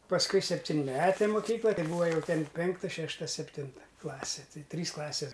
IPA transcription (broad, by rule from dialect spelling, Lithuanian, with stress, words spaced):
pɐsˈkʊɪ sʲɛpʲtʲɪnʲˈmʲæːtʲeː moːˈkʲiːklˠɐ ˈtɐɪ ˈbuːʋɐ jɛʊ ˈtʲɛn ˈpʲɛŋktɐ ˈʃʲæːʃtɐ sʲɛpʲˈtʲɪntɐ ˈklˠɑːsʲɪ ˈtɐɪ ˈtʲrʲiːs ˈklˠɑːsʲeːs